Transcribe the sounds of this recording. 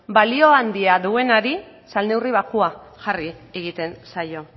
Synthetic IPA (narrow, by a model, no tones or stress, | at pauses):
balio̞and̪iaðue̞naɾi | salne̞wriβ̞akua | xarieɣ̞it̪e̞nsajo̞